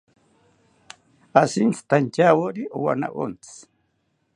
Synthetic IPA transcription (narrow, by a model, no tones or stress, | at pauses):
asint͡st̪ant͡ʃawoɾiʔṵwa̰na̰ʔo̰nt͡s